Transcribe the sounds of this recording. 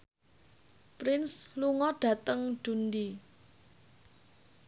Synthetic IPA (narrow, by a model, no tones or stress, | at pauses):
pɾɪnsluŋɔɖ̥ä̤t̪əŋd̥und̪i